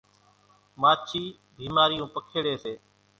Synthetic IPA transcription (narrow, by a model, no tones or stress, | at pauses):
maːt͡ʃʰiː | bʱiːmaːɾijũːpəkʰeːɽeːseː